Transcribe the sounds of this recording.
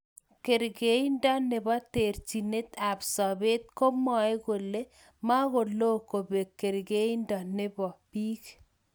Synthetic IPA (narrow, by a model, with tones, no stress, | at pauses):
ke˨ɾɡe˨˦i˦ndɔ˦nɪ˨bɔ˦te˨ɾt͡ʃi˨ne˦t̪a˨psɔ˨be˦t̪̚ko˦mɔ˨e˦ɣo˨le˦ | ma˦ɣo˨lo˦ko˨be˨kːe˨ɾɡe˦i˦ndɔ˨nɪ˦bɔ˨piː˦k